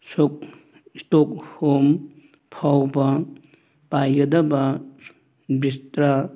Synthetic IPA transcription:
sok̚ | istok̚hom | pʰawbɐ | pajɡɐdɐbɐ | bistɾa

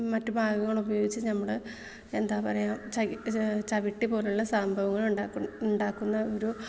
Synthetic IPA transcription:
mɐtːubʱaːɡɐŋːɐɭubɐjo̞ːɡit͡ɕːɨnɐmːɐɭɨ | e̞nd̪aːpɐrɐjaːmt͡ɕt͡ɕɐʋiʈːipo̞ːluɭːɐsaːmbʱɐʋɐŋːɐɭuɳɖaːuɳɖaːkːunːɐo̞ɾu

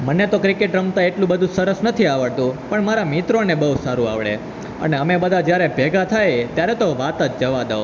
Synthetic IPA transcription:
mənet̪okɾɪkeʈɾəmt̪ãeʈlũbəd̪ʱũsəɾəsnət̪ʰiaʋəɭt̪ũpəɳmaɾamit̪ɾonebəusaɾua̰ʋɭḛ | ə̰neəmebəd̪ʱad͡ʒjaɾebʱeɡat̪ʰajt̪jaɾɛt̪oʋat̪at̪d͡ʒəʋad̪eo

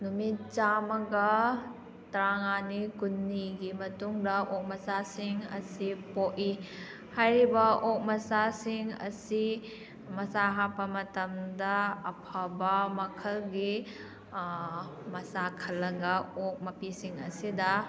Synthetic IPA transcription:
numitt͡ʃamɐɡɐ | tɾaŋanikunːiɡimɐtuŋdɐʔok̚mɐsasiŋɐ̰sipoʔi | hajɾibɐok̚mɐsasiŋɐ̰si | mɐsaɦapːɐmɐtɐmdɐɐpʰabɐmɐkʰɐlɡi | mɐsakʰɐlːɐɡɐok̚mɐpisiŋɐ̰sidɐ

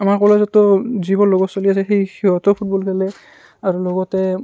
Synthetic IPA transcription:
amaɹkɔlazɔtɔzibɔnlɔɡɔtsoliasɛxejxiɔtɔpʰut̚bɔlkʰɛlɛ | aɹulɔɡɔtɛ

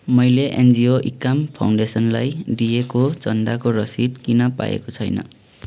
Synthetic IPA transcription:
mʌjleʔend͡zioʔikːampʰa̰wɳɖesʌnlajdijekot͡sʌnd̪akoɾʌsid̪kinʌpa̰ḛkot͡sʰʌjnʌ̰

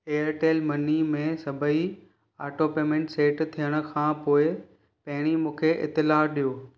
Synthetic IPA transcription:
eːəɾʈeːlmɐnimẽsɐbʱəi | a̰ːʈoːpeːmẽɳʈseːʈt̪ʰijəɽ̃ʊ̆kʰãːpoːɪ | pɐɦɪɽ̃imũːkʰeʔɪ̰t̪ːɪlaːɗijoː

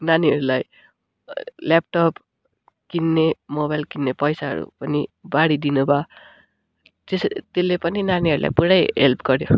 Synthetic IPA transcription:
naniʌɾulaj | lap̚ʈʌp | kinːemobajlkinːepʌjsaɦʌ̰ɾṵpʌnibaɽid̪inuba | t̪est̪elːepʌninaniʌɾula̰jpuɽʌjɦelpʰɡʌɾjo

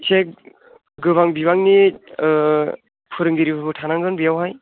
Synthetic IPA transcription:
sʰek | ɡɯβaŋbibaŋni | pʰɯɾɯŋɡiɾibɯbɯtʰanaŋɡɯnbijawɦaj

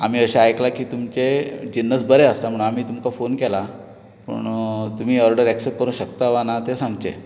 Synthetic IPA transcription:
amiːəɕaajklakiːt̪umt͡ɕed͡ʑinːəsbəɾeəst̪am̤əɽ̃am̤iːt̪umkafonkɛla | pə̰ɳt̪um̤iːɔɾɖəɾæksep̚kəɾuːnɕəkt̪aʋanat̪esãŋɡtḛ

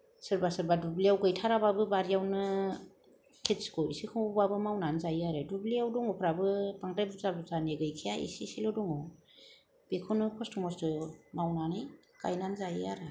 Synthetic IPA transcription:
sɯɾbasɯɾbadubliawɡɯjtʰaɾababɯbaɾijawnɯ | kʰetsi̥kɔisikʰɔbabɯmawnanzajiaɾɯdubliawdɔŋɔpʰɾabɯbaŋdajbɯzabɯzaneɡɯjkʰijaḭsisilɔdɔŋɔ | b̥ekʰɔnɯpʰɔstʰɔmɔsdɯmawnanɯj | ka̰jnanzajiaɾɯ

